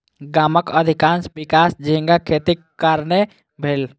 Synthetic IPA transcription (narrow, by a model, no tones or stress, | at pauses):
ɡaːməkəd̪ʱɪkãːnsbɪkaːsd͡ʒĩŋɡakʰeːt̪ikːəɾne | bʱeːl